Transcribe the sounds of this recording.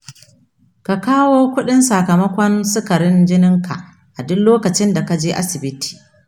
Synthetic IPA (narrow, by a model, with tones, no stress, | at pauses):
ka˨kaː˦woː˦kʷʊ˦ɗɪ˦nsa˨kɐ˨mɐ˦kʷɔ˦nsɪ˦kɐ˨ɾɪ˦nd͡ʒɪ˦nɪ˦ŋka̰˨ʔ | ʔa˨dʊ˦loː˦kɐ˨t͡ʃɪ˦nda˨ka˦d͡ʒeː˦ʔa̰˦sɪ˨bɪ˦ti̥ː˨